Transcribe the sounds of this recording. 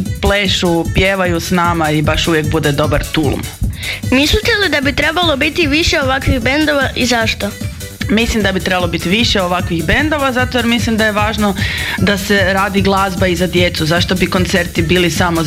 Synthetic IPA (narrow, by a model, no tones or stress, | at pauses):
pleːʃupjeːʋajusnaːmaibaʃuʋjek̚bud̪ed̪o̞baɾt̪ṵl̰mmislit̪elid̪abit̪ɾebalˠo̞bit̪iʋiʃeoʋakʋiɣbend̪oʋaʔizaʃt̪o | mislimd̪abit̪ɾebalˠo̞bit̪iʋiʃeo̞ʋakʋixbend̪o̞ʋazat̪ojeɾmislimd̪ajeʋaːʒnod̪ase̞ɾaːd̪iɡlˠaːzbaizad̪jet̪suzaʃt̪o̞biko̞nt̪se̞ɾt̪ibiːlisamo